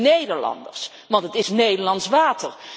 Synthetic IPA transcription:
nejdəɹlɑ̰ndə̰ɹs | ʋɑntətɪsnejdəɹlɑnsʋaːtər

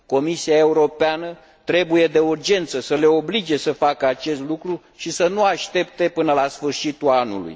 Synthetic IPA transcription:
ko̞misiae̞uɾo̞peanə | t̪ɾe̞buje̞d̪e̞urd͡ʒe̞nt̪səsəle̞o̞blid͡ʒe̞səfakəat͡ʃe̞st̪lukɾu | ʃisənuaʃt̪e̞p̚t̪e̞pɨnəlasfɨrʃit̪uanṵlṵj

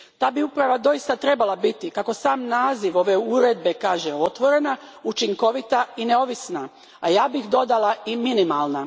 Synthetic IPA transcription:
t̪aːbiupɾaʋad̪o̞ist̪at̪ɾebalˠabit̪ikako̞saːmnaːziʋo̞ʋe̞uɾe̞d̪̚be̞kaːʒeo̞t̪ʋo̞ɾe̞naut͡ʃiŋko̞ʋit̪aineo̞ʋisna | ajaːbixd̪o̞d̪alˠaiminimalˠna

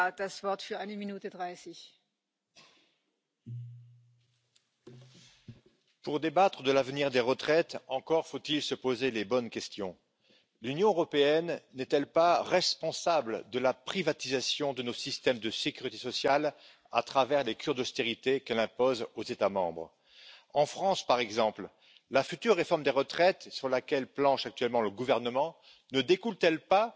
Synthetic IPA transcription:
d̥asv̥ɔʁt̪fyʁaɪnəminuːtədʁaɪsɪç | puʁd̪ebat̪χəd̪əlavniʁd̪eʁət̪χɛt̪ɑ̃kɔʁfot̪ilsəpozelebɔnkʲɛst̪jɔ̃ | lynjɔ̃øʁɔpeɛnːɛt̪ɛlpaʁɛspɔ̃sabld̪əlapχivat̪izasjɔ̃d̪ənosist̪ɛmd̪əsekʲyʁit̪esɔsjal | a̰t̪χavɛʁlekʲyʁd̪ɔst̪eʁit̪ekɛlɛ̃pozozet̪amɑ̰̃bʁ | ɑ̃fχɑ̃spaʁɛɡzɑ̃pl | lafyt̪yʁːefɔʁmd̪eʁət̪χɛt̪syʁlakʲɛlplɑ̃ʃak̚t̪yɛlmɑ̃ləɡuvɛʁnəmɑ̃ | nəd̪ekult̪ɛlpa

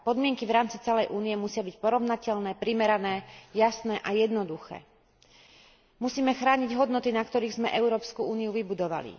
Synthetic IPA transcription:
pɔd̪mɪɛŋkivɾaːmt͡sit͡sɛlɛjʔuːniɛmusɪabicpɔɾɔʊnacɛʎnɛːpɾimɛɾanɛːjasnɛʔajɛd̪nɔd̪uxɛ̰ː | musiːmɛxɾaːɲiɟɦɔd̪nɔt̪inakt̪ɔɾiːɣzmɛʔɛʊɾɔːpskuuːniuʋibud̪ɔʋa̰lḭ

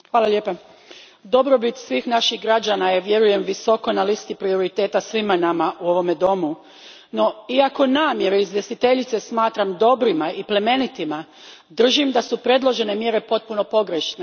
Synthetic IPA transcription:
xʋaːlalʎje̞ːpa | d̪o̞bɾo̞bit̪sʋiːxnaʃiɣɡɾad͡ʑanajeʋje̞ɾuje̞mʋiso̞ko̞nalist̪ipɾio̞ɾit̪e̞ːt̪asʋimanamaʔuo̞ʋo̞me̞d̪o̞mu | no̞iako̞naːmje̞ɾeizʋje̞st̪it̪e̞ʎit̪se̞smaːt̪ɾamd̪o̞bɾimaiple̞me̞nit̪ima | d̪r̩ʒimd̪asupɾe̞d̪lˠo̞ʒe̞ne̞mje̞ɾe̞po̞t̪̚puno̞po̞ɡɾeʃne

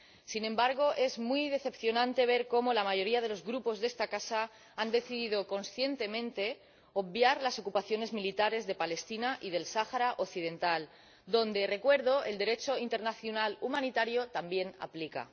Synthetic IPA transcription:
sinẽ̞mbaɾɣ̞o̞ʔe̞zmwijð̞e̞θe̞pθjo̞nãnt̪e̞β̞e̞ɾko̞mo̞lamaʝo̞ɾiað̞e̞lo̞zɣɾupo̞zðe̞st̪akasa | and̪e̞θiðið̞o̞ko̞nsθje̞nt̪e̞mẽ̞nt̪e̞ | obbjaɾlaso̞kupaθjo̞ne̞zmilit̪aɾe̞zðe̞pale̞st̪inaʔið̞e̞lsaxaɾaʔoθiðe̞nt̪al | d̪o̞nd̪e̞re̞kwe̞ɾðo̞e̞ld̪e̞ɾe̞t͡ʃo̞int̪e̞ɾnaθjonalumãnit̪aɾjo̞t̪ambje̞na̰plika̰

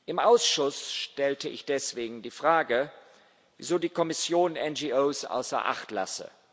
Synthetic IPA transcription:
ʔɪmʔaʊsʃʊsʃtɛltəʔɪ̰çd̥ɛsv̥eːɡŋ̩diːfʁ̥aːɡə | vḭzoːdiːkʰɔmɪsjoːnɛnd͡ʒioːsʔa̰ʊsɐ̰ʔa̰χtla̰sə̰

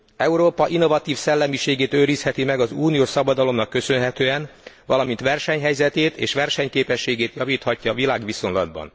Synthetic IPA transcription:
ɛuɾoːpɒʔinːo̞vɒt̪iːfsɛlːɛmiʃeːɡeːt̪øːɾishɛt̪imɛɡɒzuːnijoːʃsɒbɒd̪ɒlo̞mnɒkːø̞sø̞nɦɛt̪øːɛnʋɒlɒmint̪ʋɛrʃɛɲɦɛjzɛt̪eːt̪eːʃʋɛrʃɛɲkeːpɛʃːeːɡeːt̪jɒviːt̪hɒcːɒːvilaːɡʋiso̞nlɒd̪̚bɒ̰n

